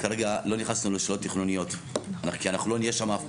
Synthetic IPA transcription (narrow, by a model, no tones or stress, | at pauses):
kaʁeɡalo̞niχasnuleʃelot̪ːiχnunijo̞tanaχkianaχnulo̞nijeʃama